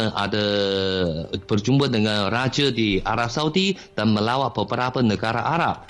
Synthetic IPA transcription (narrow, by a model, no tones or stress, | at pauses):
a̰da | bərd͡ʒumbədəŋanrad͡ʒədiaɾap̚sauti | d̥anməlawaʔpəbəɾapənəɡaɾaʔaɾap̚